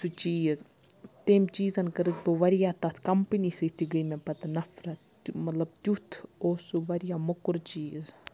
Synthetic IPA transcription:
sut͡ʃiːz | t̪eːmt͡ʃiːzɐnkɐɾɨzbɨʋɐɾijaːt̪ɐt̪ʰkɐmpɨnisɨt̪iɡɐjmepɐt̪nɐfɾɐ | t̪umɐt̪lɐb̚t̪ut̪ʰoːsuʋɐɾijamɐkuɾt͡ʃiːz

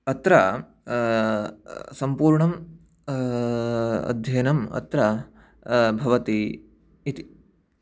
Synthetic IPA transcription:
ɐt̪ɾɐ | sɐmpuːɾɳɐm | ɐ̰d̪ʱjɐjnɐmɐ̰t̪ɾɐ | bʱɐʋɐt̪i | it̪i̥

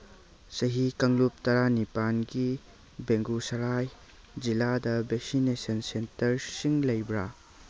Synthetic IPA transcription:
sɐɦikɐŋlup̚tɐɾanipanɡi | beŋɡusɐlaj | d͡ʒiladɐbeksinesɐnsentɐɾsiŋlɐjbɾa

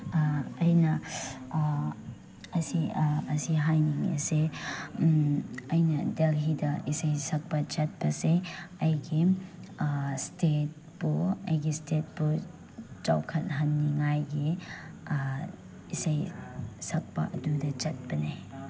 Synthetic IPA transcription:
jnɐ | ɐsiɐsiɦajniŋɐ̰se | ɐjnɐdelɦidɐʔisajsɐk̚pɐt͡ʃɐt̚bɐseɐjɡi | stet̚ | puɐjɡistet̚pu | t͡ʃa̰wkʰɐt̚ɦɐnːiŋajɡi | isajsɐk̚pɐ̰ʔɐdudɐt͡ʃɐt̚bɐne

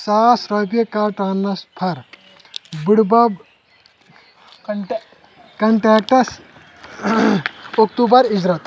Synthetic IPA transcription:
sasɾɔpekaʈanːɐspʰɐɾ | buɽbɐb | kɐɳʈɾɛk̚ʈɐs | ok̚t̪ubɐɾid͡ʒɾat̪

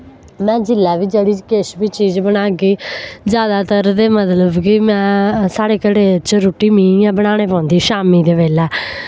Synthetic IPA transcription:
mɛ̃ːd͡ʒɪlːɛːʋiːd͡ʒəɽiːt͡ʃkeʃbiːt͡ʃiːd͡ʒbənaːɡiːd͡ʒjaːd̪aːt̪əɾd̪eːmət̪ləbkɪmɛ̃ːsaːɽeːkəɽeːt͡ʃɾoːʈiːmĩːãːbəɽ̃aːɽ̃eːpãːnd̪iːʃaːmiːd̪eːʋeːlɛː

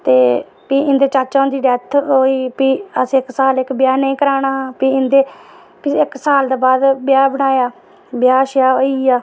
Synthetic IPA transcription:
t̪eː | piːɪ̃nd̪eːt͡ʃaːt͡ʃãːnd̪iːɖɛːt̪ʰɦoːiːpiːəsĩːɪksaːlɪkbɪjaːnəĩːkəɾaːɽ̃aːpiːɪnd̪eː | piɪksaːld̪aːbaːd̪bjaːbəɽaːjaː | bjaːʃjaːoiːaː

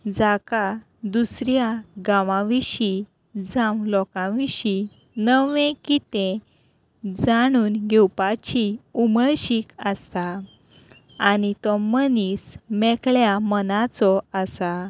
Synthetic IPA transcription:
d͡zaka | d̪usɾjaɡãʋãʋiɕi | d͡zãmlɔkãʋiɕi | nəʋẽkit̪ẽ | d͡zaɽ̃uːnɡʱɛwpat͡ɕiuməɭɕiːkəst̪a | nit̪ɔmənismɛkɭjamənat͡sɔəsa

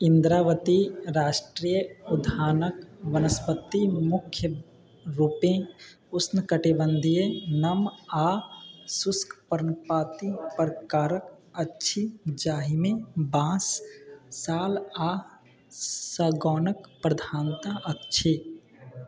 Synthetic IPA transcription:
ɪ̃nd̪ɾaːʋət̪iɾaːʃʈɾiːjəʊd̪ʱaːnəkʋənəspət̪ːimʊkʰːjə | ɾuːpẽ | ʊsnəkəʈibə̃nd̪ʱijenəmaːsʊskpəɾənpaːt̪ipɾkaːɾək | ətːʃʰid͡ʒaːɦimẽbãːsː | aːlaː | səɡɔːnəkpɾəd̪ʱaːnt̪aʔətːt͡ʃʰi

